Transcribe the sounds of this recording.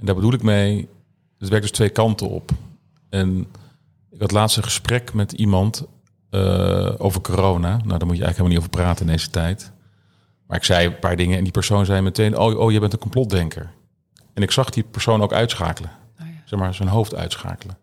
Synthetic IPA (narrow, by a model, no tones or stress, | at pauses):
ɛndaːɹbədulɪkmej | ətʋɛɹ̚dɵstʋejkɑntəɔ̰p | ɛn | ɪkɦɑtlaːtstəχəsprɛkmɛtimɑnt | ə̰o̰wvəɹkorownana̰wdaɹmutəɛ̰xəkɦelmniovəɹpraːtənɪndejzətɛjt | maːɹɪksɛjpaːɹdɪŋəɛndipɛɹsownzɛjmɛtejnʔo̰wʔo̰wjəbɛntənkɔmplɔt̚dɛŋkʰə̰ɹ | ɛnɪksɑχdipɛɹsownowkœ̰ɥtsχa̰ːkələ | z̥ɛχmaːɹzənɦowftœ̰ɥtsχa̰ːkələ